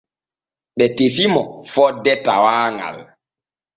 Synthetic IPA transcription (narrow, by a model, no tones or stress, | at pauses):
ɓɛtefimɔfɔdɛta̰waːŋa̰l